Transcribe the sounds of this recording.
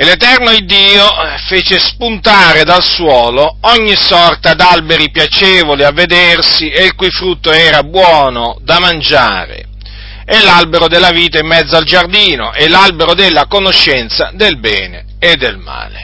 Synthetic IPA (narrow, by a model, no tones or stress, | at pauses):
elet̪ɛrnoid̪ːiːofeːt͡ʃespunt̪aːɾed̪alswɔːloɔɲːisɔrt̪ad̪albeɾipjat͡ʃeːvoliavːed̪ersieilkujfɾut̪ːoɛːɾabwɔːnod̪amand͡ʒa̰ːɾḛ | ɛlːalbeɾod̪elːaviːt̪aimːɛd̪zːoald͡ʒard̪iːno̰ʔelalbeɾod̪elːakonoʃːɛnt̪sad̪elbɛ̰ːne | ed̪ːelma̰ːle